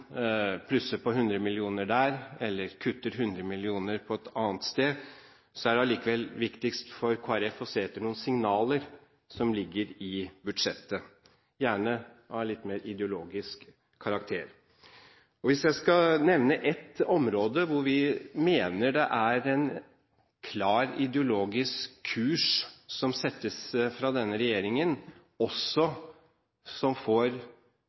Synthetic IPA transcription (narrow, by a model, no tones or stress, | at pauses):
pʰlʉsəpɔɦʉnd̪ɾəmɪlɪuːnəɖæːɾɛlːəɾkʰʉt̪ːəɾɦʉnd̪ɾəmɪlɪuːnəɾpʰɔɛt̪ʰɑːnt̪st̪eː | sɔæɖɛɑliːkəʋɛlʋɪkt̪ɪkst̪fɔɾkʰoːæɾɛfɔseːɛt̪ːəɳuːənsɪŋnɑːləɾ | sɔmlɪɡːəɾɪbʉd̪ʂɛt̪ːə | jæːɳə | ʔɑlɪt̪ːmeːɾɪd̪ɛʊloːɡɪskʰː | ɑɾɑk̚t̪ʰeːɾ | ɔʋɪsjæɪskɑnɛʋnəʔɛt̪ɔmɾoːd̪əʋʊɾʋɪmeːnəɖɛʔæɾɛn | kʰlɑːɾɪd̪əʊloːɡɪskʰːʉːʂsɔmsɛt̪ːəsfɾɑd̪ɛnːəɾɛjeːɾɪŋən | ɔsːɔ | sɔmfoːɾ